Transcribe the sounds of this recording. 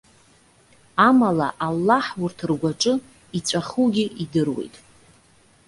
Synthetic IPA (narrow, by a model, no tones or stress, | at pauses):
amala̰ʔalːaħwurtʰrɡʷaʈ͡ʂʼɨ | it͡sʷʼaχuɡʲiʔidɨrwe̞̰jtʼ